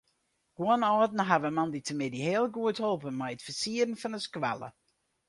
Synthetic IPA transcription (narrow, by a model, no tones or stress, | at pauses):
ɡ̥uənɑːdn̩ɦavəmɑnditʰəmɪdiheːlˠɡuətholˠpənmɛjətfəsiːəɾənfɑnəskʋa̰lə̰